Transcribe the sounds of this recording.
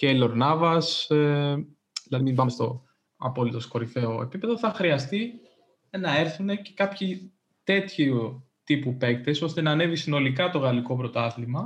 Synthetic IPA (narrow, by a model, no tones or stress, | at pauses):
celo̞ɾnɐvɐs | ðilɐðimimbɐmest̪o̞ | ɐ̰po̞lit̪o̞sko̞ɾife̞o̞e̞̰pipe̞ðo̞θɐxɾiɐst̪i | nɐe̞ɾθune̞ce̞̥kɐpçi | t̪e̞t̪çu | t̪ipupe̞kt̪e̞so̞st̪e̞nɐːne̞visino̞likɐt̪o̞ɣɐliko̞pɾo̞t̪ɐθlimɐ